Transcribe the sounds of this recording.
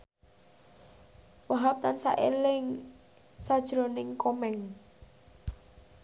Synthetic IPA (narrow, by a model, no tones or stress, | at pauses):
waɦap̚t̪ansa̰ʔḛlɪŋ | sad̥ʒ̥ɾonɪŋkɔmɛŋ